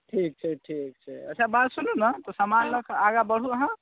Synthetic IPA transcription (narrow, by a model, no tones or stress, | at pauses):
ʈʰik̚ʈʰɛk̚ʈʰik̚t͡ʃʰɛ̰ə̰t͡ʃʰabat̪sununət̪ɔsamanləkʰaɡabəɽ̤uəɦə̃